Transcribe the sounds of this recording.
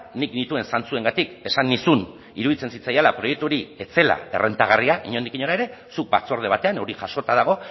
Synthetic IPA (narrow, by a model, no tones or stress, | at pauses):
niknit̪ue̞nsant͡sue̞ŋɡat̪ike̞sanːisun | iɾuðit͡se̞nsit͡sajalapɾo̞je̞k̚t̪uɾie̞t͡se̞la̰e̞̰rʔe̞nt̪aɣ̞ariaʔiɲo̞nd̪ikiɲo̞ɾae̞ɾe̞suk̚ba̰t͡so̞ɾð̞e̞βat̪e̞ano̞ɾiʝaʃo̞t̪aðaɣ̞o̞